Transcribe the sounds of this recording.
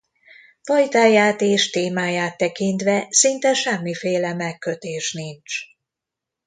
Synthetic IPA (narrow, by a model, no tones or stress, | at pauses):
fɒjt̪aːjaːt̪eːʃt̪eːmaːjaːt̪ːɛkint̪ʋɛsint̪ɛʃɛmːifeːlɛmɛkːøt̪eːʃnint͡ʃ